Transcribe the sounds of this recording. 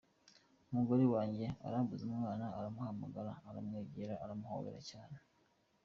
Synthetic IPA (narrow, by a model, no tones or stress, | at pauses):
umuɡo̞ɾiwaːɲɟe̞a̰ɾaːmbuzumŋaːnaːɾamuhamaɡaɾaːɾamŋeːɟiɾaaɾamuho̰wḛɾa̰caːne